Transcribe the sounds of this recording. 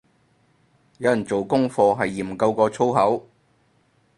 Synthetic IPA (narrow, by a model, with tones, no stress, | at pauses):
jɐ˨˧wjɐ˨˩nt͡so˨wkʊ˥ŋfɔː˧ɦɐ˨jːiː˨˩m̩˨kɐ˧wkɔː˧t͡sʰo˥wɦɐ˨˥w